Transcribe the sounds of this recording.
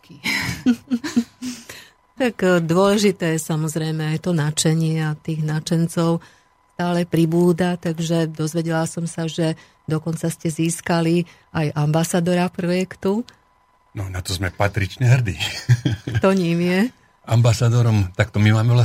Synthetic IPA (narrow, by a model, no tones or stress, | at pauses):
ki | t̪akd̪ʊɔlɛʒit̪ɛːjɛsamɔzɾɛjmɛajt̪ɔnat͡ʃɛɲɪɛat̪iːɣnat͡ʃɛnt͡sɔʊ | st̪aːlɛpɾibuːd̪at̪aɡʒɛd̪ɔzʋɛɟɛlasɔmsaʒɛ | d̪ɔkɔnt͡sascɛziːskali | ajʔambasaːd̪ɔɾapɾɔjɛkt̪u | nɔnat̪ɔzmɛpat̪ɾit͡ʃɲɛɦr̩d̪iː | t̪ɔɲimjɛ | ambasad̪ɔɾɔmt̪akt̪ɔmimaːmɛʋla